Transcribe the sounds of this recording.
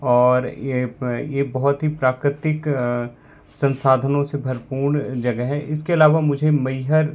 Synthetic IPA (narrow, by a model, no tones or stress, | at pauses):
ɔːɾ | jebɐɦʊt̪ɦipɾaːkɾɪt̪ɪk | sɐ̃nsaːd̪ʱənõsebʱɐɾpuːɾɳd͡ʒɐɡəɦɦɛ̃ʔɪskeɐlaːʋamʊd͡ʒʱemɐɪɦəɾ